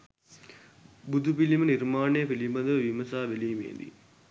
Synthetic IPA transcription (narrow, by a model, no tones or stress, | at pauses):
bud̪ʱupilimɐniɾmaːɳeːpilimbɐnd̪ɐʋɐʋimɐsaːʋelijmḛːnd̪ḭ